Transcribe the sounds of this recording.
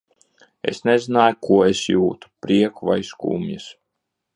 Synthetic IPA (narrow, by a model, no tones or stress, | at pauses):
ḛsnezinaːjkʰuɔesjuːt̪u̥pɾiɛkuvajskṵːmja̰s